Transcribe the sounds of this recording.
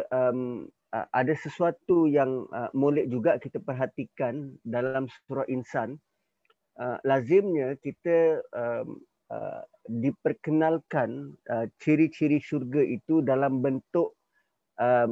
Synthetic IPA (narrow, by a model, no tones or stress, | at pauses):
ʔəm | ə̰ʔadasəsuat̪ujaŋə̰molɛʔd͡ʒuɡaʔkit̪apərɦat̪ikandalamsə̥suɾaʔinsan | əlazɪmɲãkit̪əəm | ə̰ | dipərkənalkanət͡ʃiɾit͡ʃiɾisurɡaʔit̪udalambənt̪ʊʔ | ə